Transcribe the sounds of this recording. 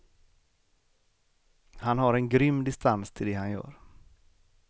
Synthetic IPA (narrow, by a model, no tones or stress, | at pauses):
hanɦaɾɛnɡɾʏmːd̪ɪst̪ʰanst̪ʰɪld̪ɛhanjœ̰ːɾ